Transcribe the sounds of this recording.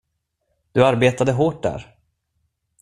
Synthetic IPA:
d̪̥ɵaɾbeːt̪ad̪əɦoːʈ̚d̪æ̰ːɾ

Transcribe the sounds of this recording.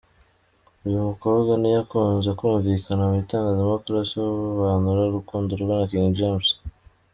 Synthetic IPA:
ujumuko̞ːbɡwanijakuːnzekuːɱvikanamuitaːŋɡazemokɾasiwoβuβaːnuɾaɾukuːnduɾuβanakiŋd͡ʒems

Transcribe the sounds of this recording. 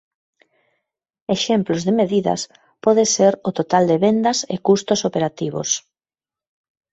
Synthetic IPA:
eʃemplozðɪmeðiðɐ̰s | pɔðeseɾʊt̪ot̪ald̪eβend̪ɐsḛkust̪ʊsopeɾat̪iβo̰s

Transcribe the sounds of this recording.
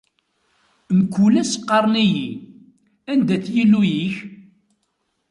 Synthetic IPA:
nəkːulæsqːɑɾˤniji | ænd̪æt͡sːjilːujiç

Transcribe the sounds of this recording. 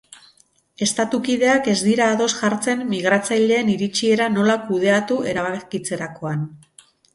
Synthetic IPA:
e̞st̪at̪ukiðe̞ake̞zd̪iɾaːðo̞sʝaɾt͡se̞mːiɣ̞ɾat͡sajʎe̞ːniɾit͡ʃie̞ɾano̞lakuð̞e̞at̪ue̞ɾaβakit͡se̞ɾako̞an

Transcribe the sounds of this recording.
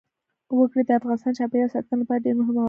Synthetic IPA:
wəkɽid̪əafɣɑnɪst̪ɑnt͡ʃɑpejasɑt̪̚kənapadeɾnoɦama

